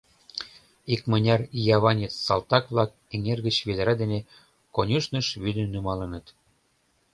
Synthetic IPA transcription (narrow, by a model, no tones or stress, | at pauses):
ikmə̆nʲɑrjɑβɑnʲet͡s̪sɑlt̪ɑkβlɑk̚eŋerɣə̆t͡ɕβed̪əɾɑd̪ene | konʲuʃnə̆ʃβyd̪ə̆nːymɑlə̆nə̆t̪